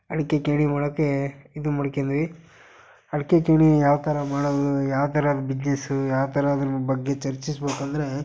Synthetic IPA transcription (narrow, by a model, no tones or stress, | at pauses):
ɐɽikːekeːɽimaːɽoːkːe̞id̪umɐɽkend̪ɐʋi | ɐɽikːekeːɳijaːʋt̪ʰɐɾɐmaːɽoːd̪ujaːʋt̪ʰɐɾad̪ubid͡ʒnesujaːʋt̪ʰɐɾɐɐd̪ɐnbɐɡːe̞t͡ʃɐɾt͡ʃisbeːkɐnd̪ɐɾe̞